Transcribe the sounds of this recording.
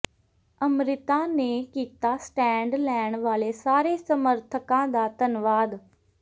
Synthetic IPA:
əmɾɪt̪aːneːkiːt̪aːsʈɛ̃ːɳɖlɛːɳʋaːleːsaːɾeːsəməɾt̪ʰəkãːd̪aːt̪ənʋaːd̪

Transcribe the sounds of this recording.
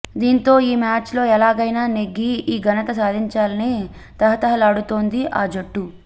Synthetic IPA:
d̪iːnt̪o̞ːiːmaːt͡ʃlo̞ːɛlaːɡɐjnaːneɡːiiːɡɐnɐt̪ɐsaːd̪ʱiɲt͡ʃaːlɐneː | t̪ɐɦɐt̪ɐɦɐlɐɽut̪o̞ːnd̪iʔaːd͡ʒoʈːu

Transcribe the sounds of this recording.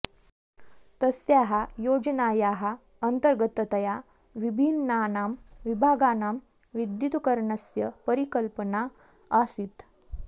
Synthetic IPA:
t̪əsjaɦajod͡znajaɦa | ənt̪əɾɡət̪ət̪əja | ʋibʱinːanamʋibʱaɡanam | ʋid̪jut̪ukəɾɳəsjəpəɾikəlpəna | asiːt̪

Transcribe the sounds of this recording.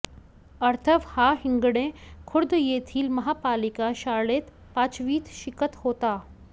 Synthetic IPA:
ɐɾt̪ʰəʋhaːɦɪ̃ŋɡɽ̃ẽkʰʊɾd̪jeːt̪ʰiːlmɐɦaːpaːlɪkaʃaːleːt̪ | paːt͡ʃʋiːt̪ʃɪkət̪hoːt̪aː

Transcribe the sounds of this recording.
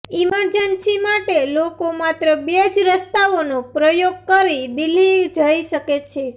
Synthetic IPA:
iməɾd͡ʒənʃimaʈelokomat̪ɾəbed͡ʒɾəst̪aonopɾəjoɡ̚kəɾid̪ilːid͡ʒəiʃəket͡ʃʰe

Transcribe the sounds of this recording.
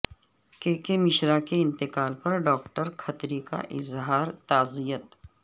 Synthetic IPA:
keːkemɪʃɾakeɪ̃nt̪ɪqaːlpɐɾɖɔːk̚ʈəɾkʰɐt̪ɾika̰ʔɪzɦaːɾt̪aːzijət̪

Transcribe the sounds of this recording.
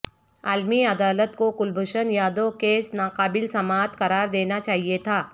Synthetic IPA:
aːlmiɐd̪aːlət̪kokʊlbʱʊʃənjaːd̪õkeːsnaːqaːbɪlsɐmaːt̪kɐɾaːɾd̪eːnat͡ʃaːɦiet̪ʰaː

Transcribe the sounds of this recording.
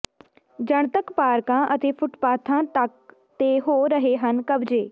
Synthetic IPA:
d͡ʒəɳ̃t̪əkpaːɾkãːʔət̪eːpʰʊʈpaːt̪ʰãːt̪ək̚ | t̪eːɦoːɾəɦeːɦənkəbd͡ʒeː

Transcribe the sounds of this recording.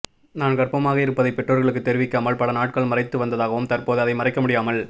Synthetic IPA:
naːnkɐrpɐmaːɣɐɪɾɯpːɐðɐɪpːɛʈːroːɾɣɐɭɯkːɯt̪ːɛɾɪʋɪkːaːmɐɭpɐɭɐnaːʈ̚kɐɭmɐrɐɪt̪ːɯʋɐnd̪ɐðaːɣɐʋɯmt̪ɐrpoːðɯɐðɐɪmɐrɐɪkːɐmʊɽɪjaːmɐɭ

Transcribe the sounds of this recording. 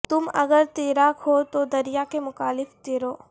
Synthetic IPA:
t̪ʊmɐɡəɾt̪iːɾaːkɦot̪od̪ɐɾijakemʊkaːlɪft̪ɪɾoː

